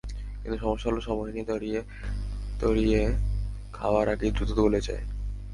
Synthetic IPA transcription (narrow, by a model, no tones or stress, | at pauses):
kint̪uʃɔmoʃːaɦuloʃɔmɔɦnit̪ɔɾie | t̪oɾie | kʰaoaɾaɡed̪ɾut̪ot̪oboled͡ʑa̰e